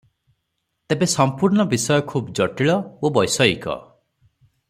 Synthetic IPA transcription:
t̪ebesɔmpuɾnɔbisɔjɔkʰubd͡ʒɔʈiɭɔobɔjsɔikɔ̰

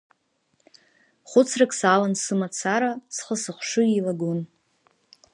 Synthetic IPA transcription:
χʷʊt͡sʰrakʼsalansɨmat͡sʰaɾasχəsɨχʷʂʊilaɡon

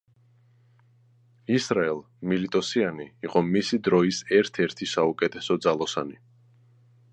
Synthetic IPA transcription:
isɾaɛlˠ | milit̪ʼɔsianiːqʼɔmisid̪ɾɔisɛɾt̪ʰɛɾt̪ʰisaukʼɛt̪ʰɛsɔd̪zalˠɔsa̰ni

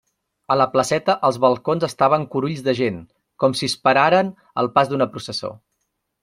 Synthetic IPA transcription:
ələpləsɛt̪əʔəlˠzβəlˠkonzəst̪aβ̞əŋkuɾuʎzðəʒen | kɔmsispəɾaɾən | ə̰lˠpazd̪unəpɾusəso̰

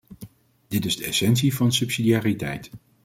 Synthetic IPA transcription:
d̥ɪtɪzdəɛsɛnsivɑnsɵpsidiaːritɛ̰jt

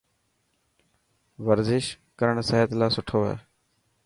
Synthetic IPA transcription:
ʋəɾzɪʃ | kəɾəɳsəːɦət̪laːsʊʈʰoːɦɛ̰ː

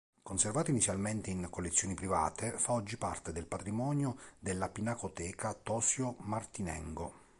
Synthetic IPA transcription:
konservaːt̪oinit̪sːjalment̪eiŋkolːet̪sːjoːnipɾiva̰ːt̪ʰefaɔd͡ʒːipa̰rt̪ed̪elpat̪ɾimɔːnjod̪elːapinakot̪ɛːkʰat̪ɔːsjomart̪inɛ̰ŋɡo

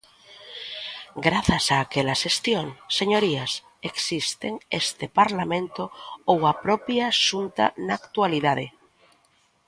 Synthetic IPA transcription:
ɡɾaθasaːkelaʃest̪joŋseɲoɾias | eksist̪eŋest̪epaɾlamẽnt̪oowapɾopjaʃunt̪a̰naːkt̪waliðaðḛ

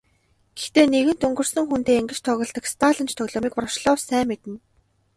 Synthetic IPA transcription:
ɡ̥e̥xt̪eːneɣɘ̆n̥t̪ɵŋɡɵ̆rsɵ̆ŋxunt̪eːeŋɡɘ̆t͡ɕt̪ʰœɣʲɞ̆ɮt̪ə̆kst̪ʰaːɮə̆nt͡ɕt̪ʰœɣɮɔːmiːkprɔʃɮɔːwsæːmːet̪ɘ̆n

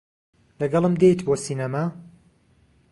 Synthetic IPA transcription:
lɐɡɐlˠɨmd̪ejt̪boːsiːnɐma

